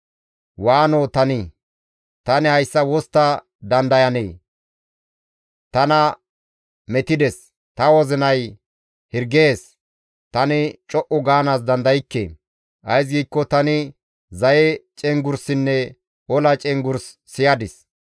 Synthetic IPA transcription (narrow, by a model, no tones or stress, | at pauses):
waːnoːt̪ɐnɪ | t̪ɐnɪhɐjsːɐwɔst̪ːɐ | d̪ɐnd̪ɐjɐnḛː | t̪ɐnɐ | mɛt̪ɪd̪ɛs | t̪ɐwɔzɪnɐj | hɪɾɡeːs | t̪ɐnɪt͡ʃʼɔʔʊɡaːnas̬d̪ɐnd̪ɐjɪkːḛː | ʔɐjs̬ɡiːkːɔt̪ɐnɪ | zɐjɛt͡ʃʼɛŋɡʊɾsɪnːɛ | ɔlɐt͡ʃʼɛŋɡʊɾsːɪjɐd̪ɪs